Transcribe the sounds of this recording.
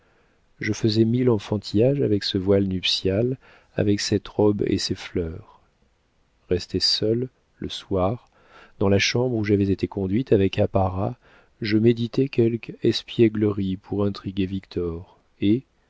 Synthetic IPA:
ʒəfəzɛmilɑ̃fɑ̃t̪ʰijaʒavɛksəvwalnypsjal | a̰vɛksɛt̪ʁɔbḛseflœːʁ | ʁɛst̪esœl | lə̰swaʁ | d̪ɑ̃laʃɑ̃bʁuʒavɛzet̪ekɔ̃d̪ɥit̪avɛkapaʁa | ʒəmed̪it̪ɛkʲɛlkɛspjɛɡləʁipʰuʁɛ̃t̪χiɡʲevikt̪ʰɔʁ | e

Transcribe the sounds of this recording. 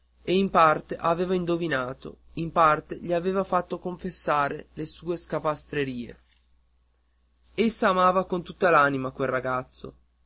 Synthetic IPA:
eimpart̪eʔaveːvaind̪ovinaːt̪o̰impart̪eʎiaveːvafat̪ːokoɱfesːaːɾelesuːeskapast̪ɾeɾiːḛ | esːaːmaːvakont̪ut̪ːalanimakwelraɡat̪sːo̰

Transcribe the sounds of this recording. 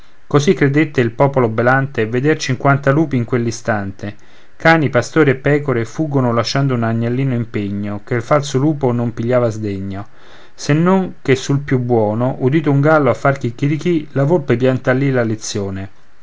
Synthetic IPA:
kosikːɾed̪et̪ːeilpɔːpolobelant̪eved̪ert͡ʃiŋkwant̪aluːpiːŋkwelːist̪ant̪e | kaːnipast̪oːɾiepːɛːkoɾefuɡːonolaʃːand̪ounaɲːalːiːnoimpeɲːokelfalsoluːponompiʎːaːvazd̪eɲːo | senːoŋk̟esːulpjubːwɔːnoʔud̪iːt̪ouŋɡalːoafːark̟ikːiɾikilavolpep̬jant̪alːilalet̪sːjoːne

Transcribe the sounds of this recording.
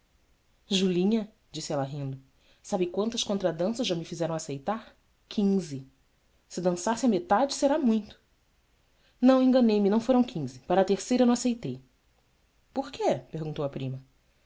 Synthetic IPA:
ʒulĩɲɐ | d͡ʒisɪɛlɐɦĩnd̪ʊ | sabɪkwɐ̃nt̪ɐʃkõnt̪ɾɐd̪ɐ̃sɐzʒamɪfizɛɾɐ̃w̃asejt̪aɾ | kʰĩzɪ | sɪd̪ɐ̃sasɪamet̪ad͡ʒɪseɾamũj̃t̪ʊ̥ | nɐ̃w̃ẽŋɡɐnejmɪnɐ̃w̃foɾɐ̃w̃kʰĩzɪpaɾɐːt̪eɾsejɾɐnɐ̃w̃asejt̪ej | poɾkʰepehɡũnt̪owɐpɾĩmɐ

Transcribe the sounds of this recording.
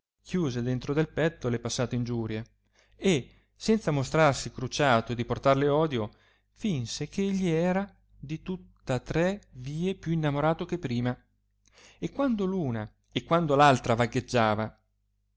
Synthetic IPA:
kʰjuːzed̪ent̪ɾod̪elpɛt̪ːolepasːaːt̪eind͡ʒuːɾje | e | sɛnt̪samost̪ɾarsikɾut͡ʃaːt̪oed̪iport̪arleɔːd̪jo | finsekʰeeʎːiɛːɾa | d̪it̪ut̪ːat̪ɾɛviːepjuinːamoɾaːt̪ok̟epːɾiːma | ekːwand̪oluːna | ekːwand̪olalt̪ɾavaɡed͡ʒːaːva

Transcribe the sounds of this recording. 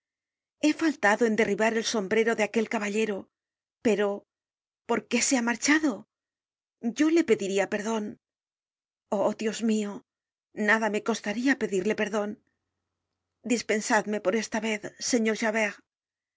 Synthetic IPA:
e̞falt̪aðoe̞nd̪e̞riβaɾe̞lso̞mbɾe̞ɾo̞ðeake̞lkaβaʎe̞ɾo | pe̞ɾo̞ | po̞ɾke̞se̞amaɾt͡ʃaðo̞ | ɟ͡ʝo̞le̞pe̞ðiɾiape̞ɾðo̞n | oðjo̞zmio | naðame̞ko̞st̪aɾiape̞ðiɾle̞pe̞ɾðo̞n | d̪ispe̞nsaðme̞po̞ɾe̞st̪aβe̞θse̞ɲo̞ɾʃaβeʁ

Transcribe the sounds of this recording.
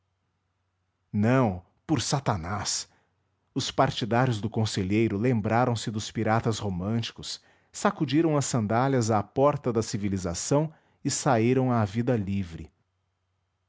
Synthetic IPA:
nɐ̃w̃ | pʊɾsat̪anas | ʊspaɾt͡ʃid̪aɾjʊzd̪ʊkõseʎejɾʊlẽmbɾaɾɐ̃w̃sɪd̪ʊspiɾat̪ɐshomɐ̃t͡ʃi̥kʊs | sakud͡ʒiɾɐ̃w̃ɐsːɐ̃nd̪aʎɐzaːpɔɾt̪ɐd̪ɐsivilizasɐ̃w̃ | ɪsaiɾɐ̃w̃aːvid̪ɐlivɾɪ̰

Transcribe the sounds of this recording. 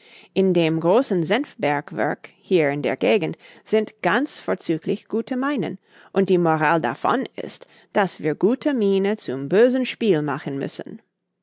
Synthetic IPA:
ʔɪndeːmɡʁoːsn̩zɛnfbɛɐkvɛ̰ɐk | hiːɐɪndḛːɐɡeːɡn̩tz̥ɪntɡ̥ant͡sfoːt͡syːklɪçɡ̥uːtʰəmaɪnə̰n | ʔʊnt̚d̥iːmoʁaːlda̰fɔ̰nɪ̰st | d̥asviːɐɡuːtʰəmiːnət͡sʊmbøːzən̩ʃpiːlmaχən̩mʏ̰sən̩

